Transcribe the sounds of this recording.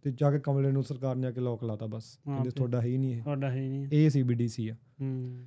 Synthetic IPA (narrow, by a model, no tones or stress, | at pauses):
t̪eːd͡ʒaːkekəmleːnũːsəɾkaːɾnĩːaːkɪlɔːkəlaːt̪aːbəsə̃d̪eːt̪ʰoaːɖaːɦiiːnĩːeːɖaɦnĩeːsiːbiːɖiːsiːaː